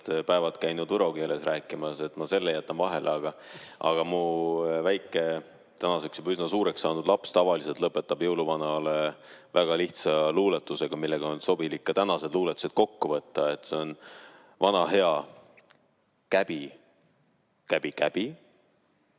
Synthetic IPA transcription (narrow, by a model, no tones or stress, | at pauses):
t̪pæevɑt̪kæjnud̪̥vɤɾo̞ɡ̥ielesræːkːˑimɑse̞t̪ːˑmɑse̞lːejæt̪ːˑɑnvɑɦe̞lʔeɑɡ̥ɑʔɑ̰ɡ̥ɑmuvæjkːˑe̞ | t̪ænɑse̞ksjubysnɑsuːɾe̞ksːɑːnud̪lɑpst̪ɑvɑliselt̪lɤpːˑe̞t̪ːɑb̥jɤwluvɑnɑlevæɡ̥ɑliht̪sɑluːlet̪ːˑuse̞ɡ̥ɑmilːe̞ɡ̥ɑonso̞bilikːɑt̪ænɑse̞d̪luːlet̪ːˑu̥sed̥̪̚ko̞kːuvɤt̪ːɑe̞t̪ːˑse̞o̞n | vɑnɑɦe̞ɑ | kæb̥i | kæb̥ikæb̥i